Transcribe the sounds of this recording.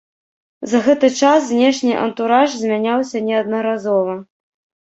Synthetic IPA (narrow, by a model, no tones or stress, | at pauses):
zɐɣɛt̪ɨt͡ʂaszʲnʲɛʂnʲiʔɐ̰nt̪uɾaʐzʲmʲanʲawsʲɐnʲɛɐd̪nɐɾazɔvɐ